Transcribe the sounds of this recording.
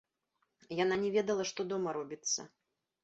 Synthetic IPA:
jananʲɛvʲɛd̪ɐlˠɐʂt̪ɔd̪ɔmɐɾɔbʲit̪sːɐ̰

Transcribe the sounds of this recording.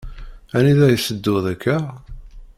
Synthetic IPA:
æniðæjəsəd̪ːʊðækʰːæ

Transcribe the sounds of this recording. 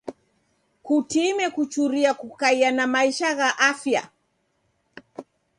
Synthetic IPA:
kutimɛkut͡ʃuɾiakukaianamaiʃaɣaʔafja̰

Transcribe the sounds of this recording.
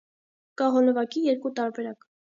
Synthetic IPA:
kɑɦɔləvɑkijɛɾkut̪ɑɾbɛɾɑk

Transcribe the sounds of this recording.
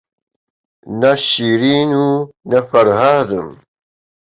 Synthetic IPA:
naɕiɾiːnunafaɾɦaːd̪um

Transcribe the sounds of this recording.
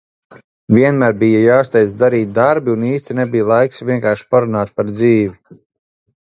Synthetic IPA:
vʲiɛnmæːɾbijajaːst̪ɛj̪zd̪aɾiːt̪̚d̪aɾbiuniːst̪ʲinɛbijlˠajksviɛŋkaːɾʃi̥paɾunaːt̪̚paɾd̪ziːvʲi

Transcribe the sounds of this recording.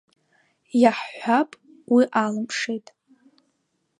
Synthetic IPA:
jaħːʷapʼ | wiʔalɨmpʰʂejtʼ

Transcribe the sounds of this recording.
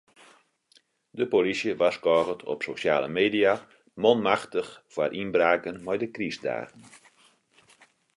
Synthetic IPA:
dəpolisjəʋaskɔːɣətʰɔ̰psosja̰ːlə̰meːdia | mɔnmaxtəxfwarʔinbraːkənmɛjdəkrisda̰ːrn

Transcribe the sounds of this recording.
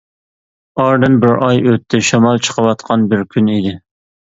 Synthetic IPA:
ɑɾd̪ɨnbɪɾʔɑjøt̪ʰːɪʃɑmɑlˠt͡ʃʰə̥qʰəwɑt̪qʰɑnbɪɾkʲʰynid̪ɪ

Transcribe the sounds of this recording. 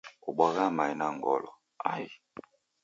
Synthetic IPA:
oɓwaɣamainaŋɡɔlɔ | ai

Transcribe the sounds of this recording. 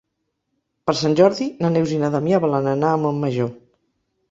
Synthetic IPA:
pəɾsanʲʒɔɾðinanewzinaðamiaβəlanənaːmomːəʒo

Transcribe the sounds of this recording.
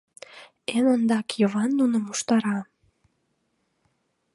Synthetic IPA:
emənd̪ɑkjoβɑnːunəmuʃt̪ɑɾɑ

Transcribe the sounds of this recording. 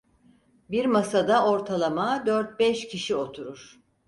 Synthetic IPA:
biɾmasad̪ao̞ɾt̪ʰalˠamad̪øɾt̪̚bɛʃcʰiʃio̞t̪ʰuɾuɾ̥

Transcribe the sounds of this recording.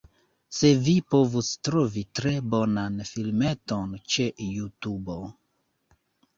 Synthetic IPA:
sevipovustɾovitɾebonanfilmetont͡ʃejutubo

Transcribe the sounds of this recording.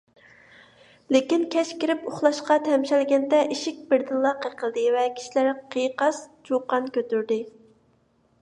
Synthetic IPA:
lekʲinkʲʰɛʃkʲiɾɪpoχlˠɑʃqɑt̪ʰɛmʃɛlɡʲɛnd̪ɛʔiʃik̚ʲbɪɾd̪ɨnlˠɑqəqʰəlˠd̪ɨvɛkʲʰi̥ʃilæɾqʰijqɑst͡ʃʰoqːɑnkʲøt̪yɾd̪ɪ

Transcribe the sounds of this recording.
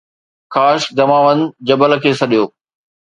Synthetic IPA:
kaːʃd͡ʑɐmaːʋənd͡ʑɐbəl̆kʰeːsɐɗijoː

